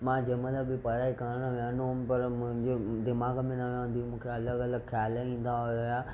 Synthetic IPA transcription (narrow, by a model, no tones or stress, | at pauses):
mãːd͡ʑemələbɪpɐɽaːikaɾɽ̃ʋjãnoɦʊmpɐɾmʊ̃ɦɪ̃ɲd͡ʑod̪ɪmaːɡmẽnɐʋãnd̪ijũmũːkʰeɐləɡɐləɡxʰjaːlaĩːn̆d̪aɦojjaː